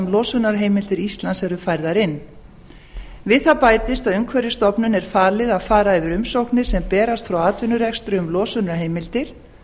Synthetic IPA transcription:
mlɔːsʏnaɾɦeːjmɪlt̪ɪɾist̪lansɛɾʏfajɾðaɾɪnː | vɪðθapaːjt̪ɪst̪aðʏŋkʰvɛɾjɪst̪ɔpnʏnɛɾ̥faːlɪðaðfaːɾaɛvɪɾʏmsowknɪsɛmpɛːɾast̪fɾawaːt̪vɪnːʏɾɛkst̪ɾʏʏmlɔːsʏnaɾɦeːjmɪlt̪ɪɾ̥

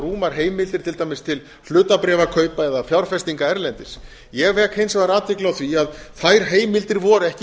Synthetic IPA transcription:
ruːmaɾ̥ɦeːjmɪlt̪ɪɾt̪ʰɪlt̪aːjmɪst̪ʰɪl | h̪ʏːt̪apɾɛːvakʰœːɥpaɛðafjawɾ̥fɛst̪iŋkaɛɾlɛnt̪ɪs | jɛɣvɛːkhejnsɛmvaɾaːt̪vɪklawθviaðθajɾ̥ɦeːjmɪlt̪ɪɾvɔːɾɛhc

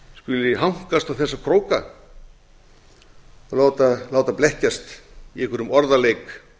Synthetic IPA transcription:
skʏlɪɦawŋ̥kast̪awθɛsːakʰɾoːwka | ɔlaːwt̪alaːwt̪aplɛhcast̪iɛhkʏɾʏmɔɾðalejk

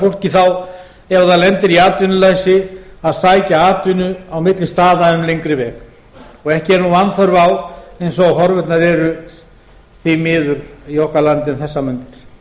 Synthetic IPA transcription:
fowl̥cɪθaw | ɛvaðaðlɛnt̪ɪɾiaːt̪ʏnʏlaːjsɪaðsaːjcaaːt̪ʏnʏawmɪt̪lɪst̪aːðaʏmlejŋkɾɪvɛːk | ɔɣɛhcɪɛɾnuvanθœɾvawejnsɔaɦɔɾvɪt̪naðɛɾʏ | θimɪːðʏɾiɔhkalant̪ɪʏmθɛsːamʏnt̪ɪɾ̥

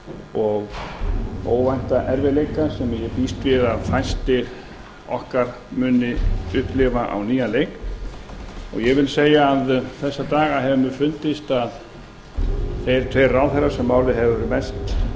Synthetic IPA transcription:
ɔɣ | o̰ːwvajn̥t̪aʔɛɾvɪlejkasɛmjɛpiːst̪vɪðaðfajst̪ɪ | ɔ̰hkaɾ̥ | mʏnːɪʏhplɪvaʔa̰wniːjalejk | ɔ̰ɣjɛɣvɪlseːjaːðθɛsːat̪aːɣaɦɛvʏmʏfʏnt̪ɪst̪að | θejɾ̥t̪ʰvejrːawθɛrːḁsɛmːaːwlɪɦɛvʏvɔɾɪmɛst̪

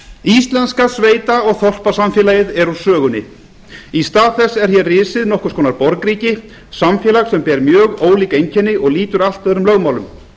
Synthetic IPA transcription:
ist̪lɛnskasveːjt̪aɔɣθɔr̥pasamfjɛːlajɪðɛɾusœːɣʏnːɪ̰ | ist̪aːðθɛsːɛɾ̥çjɛrrɪːsɪðnɔhkʏ̥kʰɔːnaɾpɔɾkɾiːcɪ | samfjɛːlaɣsɛmpɛːɾmjœːɣoːwliːkejɲcʰɛnːɪɔɣliːt̪ʏɾal̥t̪vɛðɾʏmlœɣmaːwlʏm

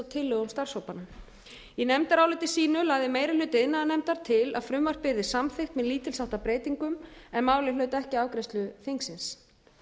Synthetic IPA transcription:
t̪ʰɪlːœːɣʏmst̪ar̥showpanam | inɛmt̪aɾaːwlɪt̪ɪ̥siːnʏlaːɣðɪmeːjɾɪlʏːt̪ɪnːaanɛmt̪aɾ̥t̪ʰɪla̰ðfɾʏmvar̥pɪɾðɪsamθɪhxt̪mɛðliːt̪ɪlsaht̪apɾeːjt̪iŋkʏmɛnmaːwlɪlœːɥt̪ɛhcɪaːwkɾejst̪lʏθɪŋksɪns

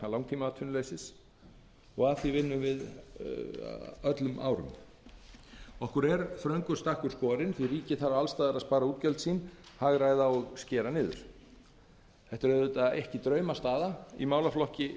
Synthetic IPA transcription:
alawŋt̪ʰiːmaat̪ʰʏnleːjsɪs | ɔɣaθivɪnːʏmvɪð | œt̪lʏma̰ːwɾʏ̰m | ɔhkʏɾɛɾfɾœɥŋkʏ̥st̪ahkʏɾ̥skɔːɾɪnθiriːcɪθaɾaalst̪aːðaɾaðspaːɾauːt̪̚cɛlt̪siːnhaɣɾajðaɔɣscɛːɾanɪːðʏ̰ɾ̥ | θɛht̪ʏɾœðʏt̪aðɛhcɪt̪ɾœɥmast̪aːðaḭmaːwlaflɔhcɪ

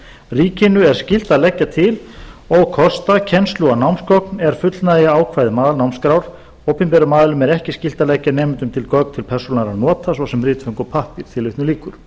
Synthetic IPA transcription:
riːcɪnʏɛɾ̥scɪl̥t̪aðlɛcːat̪ʰɪlɔɣkʰɔst̪acʰɛnst̪luɣanawmskɔk̚nɛɾ̥fʏt̪lnaðjaaːwkʰvajðɪmaːðlnawmskɾawɾ̥ | oːwpɪmpɛɾʏmaːðlʏmɛɾɛhcɪscɪl̥t̪alɛcːanɛːmɪnt̪ʏmt̪ʰɪlkœkt̪ʰɪlpʰɛrsunaɾanɔːt̪asvɔwsɛmrɪːt̪fœŋkɔpʰahpɪɾ̥θʰɪlʏht̪nʏliːkʏɾ̥

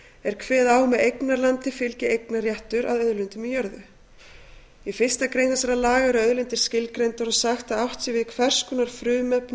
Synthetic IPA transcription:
ɛɾ̥kʰvɛːðaːwmɛðejknaɾlant̪ɪfɪlcɪejknarjɛht̪ʏɾa̰ðœðlʏnt̪ʏmijœɾðʏ | ifɪr̥st̪akɾejnθɛsaɾalaːɣaɾœðlʏnt̪ɪɾ̥scɪlkɾejnt̪aɾɔsaxt̪aðawht̪sɪvɪðkʰvɛr̥skʏnaɾ̥fɾʏːmɛpn

